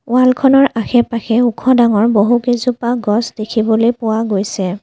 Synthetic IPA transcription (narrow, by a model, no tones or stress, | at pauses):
walkʰɔnɔɹʔaxʰɛpaxɛukʰɔdaŋɔɹboɦukezupaɡɔsdekʰibɔlojpʊwaɡojsɛ